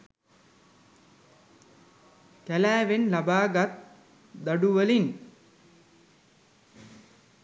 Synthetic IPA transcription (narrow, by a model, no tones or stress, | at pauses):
k̪ælæːʋenlabaːɡat̪̚ | d̪aɖuʋəlin